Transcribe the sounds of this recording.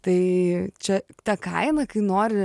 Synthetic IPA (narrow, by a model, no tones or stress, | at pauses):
t̪ɐɪt͡ʃʲɛt̪ɐkɐɪnɐkɐɪnoːɾʲɪ